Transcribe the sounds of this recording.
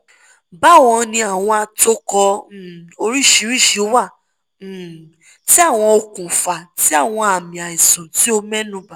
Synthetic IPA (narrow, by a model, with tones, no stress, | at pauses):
ba˦˨w̃ɔ̃˧nĩ˧a˨w̃ɔ̃˧a˧to˦kɔ˧˨ | o˧ɾi˦˨ʃi˨˧˦ɾi˦˨ʃi˧˦wã˦˨ | ti˦a˦˨w̃ɔ̃˧o˧kũ˨fa˨ti˦a˦˨w̃ɔ̃˧a˨mĩ˨a˨i˨sɔ̃˨ti˨˦o˧mɛ̃˦nũ˨˦ba˨